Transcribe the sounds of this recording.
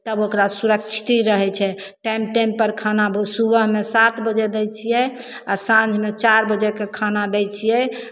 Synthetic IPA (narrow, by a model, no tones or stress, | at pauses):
t̪əbokɾasuɾəkt͡ʃʰi̥t̪iɾəɦɛt͡ʃʰɛ | ʈajmʈampəɾkʰanabəsubəɦmesat̪bəd͡ʒed̪ɛjt͡ʃʰijɛ | asãnd͡ʒʱmet͡ʃaɾbəd͡ʒekekʰanad̪ɛt͡ʃʰijɛ